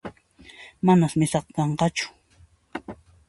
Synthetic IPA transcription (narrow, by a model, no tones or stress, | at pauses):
manasmɪsɑqkɑɴqɑt͡ʃʊ̥